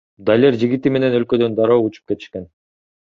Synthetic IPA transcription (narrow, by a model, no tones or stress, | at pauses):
d̪alʲeɾd͡ʒiɡit̪ime̞ne̞nø̞lkø̞d̪ø̞nd̪ɑɾoːut͡ʃu̥p̚ke̞t̪i̥ʃke̞n